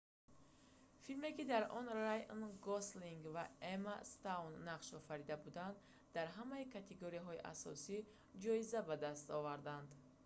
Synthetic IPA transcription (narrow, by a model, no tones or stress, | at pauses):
filme̞kid̪aɾɔnrajnɡɔsliŋɡvaemast̪anːaqʃɔfaɾid̪abud̪and̪ | d̪aɾɦamaikʰat̪ʰeɡoɾijaɦɔiʔa̰sɔ̰si | d͡ʒɔizabad̪ast̪ɔvaɾd̪and̪